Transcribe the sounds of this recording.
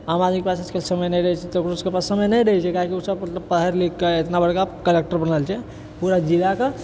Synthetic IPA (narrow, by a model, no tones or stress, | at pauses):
amad̪mikpasaskelsəməjnəjɾəɛt͡ʃʰɛt̪əkɾuskepassəməjnəjɾəɦɛt͡ʃʰɛkaɦkiusəbmət̪ləbpəd̪ɦəɾlikːeet̪nabəɽkakəlek̚ʈəɾbənalt͡ʃʰɛ | puɾad͡ʒilake